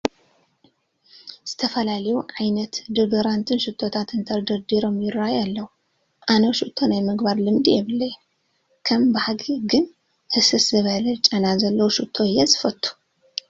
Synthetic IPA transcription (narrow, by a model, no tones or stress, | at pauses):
z̥ɨt̪ʰɐfɐlalɐjuʕajnɐt̪d̪ɨɡɐɾant̪ʰɨnʃɨt̪ʰːo̞t̪ʰat̪ɨnt̪ʰɐɾd̪ɐɾd̪iɾo̞mjɪɾajalːɐwu | ʔanoʃut̪ʰːo̞najmɨɡbaɾlɨmd̪ijɛβɨlːɐj | kʰɐmbɨħaɡiɡɨn | ʔɨsɨszɨβɐlɐt͡ʃʼɐnazɐlːɐwuʃɨt̪ʰːo̞ɨjːɛzɨfɐt̪ʰʼːu̥